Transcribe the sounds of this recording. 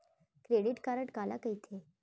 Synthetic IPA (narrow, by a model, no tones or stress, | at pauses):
kɾeɽiʈkaɾəʈkala̰kəjt̪ʰe